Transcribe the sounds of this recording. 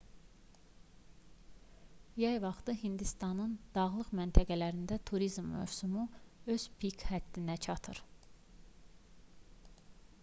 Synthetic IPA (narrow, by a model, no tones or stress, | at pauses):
jæjvɑχt̪ɯɦind̪ist̪ɑnɯnd̪̥ɑʁlˠɯχmænt̪ʰæɡælæɾind̪æt̪ʰuɾizmːø̰vsumuø̞z̥pʰikʰhæd̪̥ːinæt͡ʃʰɑt̪ʰɯɾ